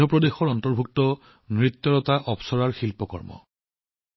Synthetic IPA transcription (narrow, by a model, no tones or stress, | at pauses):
ɔpɹɔdexɔɹɔntɔɹbʱuk̚tɔ | nɹit̪ːɔɹɔtaʔɔpsɔɹaɹxilpɔkɔ̰ɹmɔ̰